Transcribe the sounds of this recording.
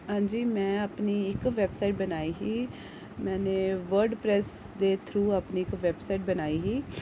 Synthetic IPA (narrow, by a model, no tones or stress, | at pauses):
ɦãːɲd͡ʒiːmɛ̃ːaːpniːɪkʋɛːbsaːɪʈ̚bənaːiːɦiː | mɛ̃ːneːʋəɾɖpɾɛːs | d̪eːt̪ʰɾuːaːpniːɪkʋɛːbsaːɪʈ̚bənaːiːɦiː